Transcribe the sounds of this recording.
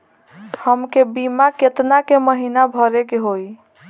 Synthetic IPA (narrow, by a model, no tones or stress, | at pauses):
həmkebimaket̪nakeməɦinabʱəɾekeɦoj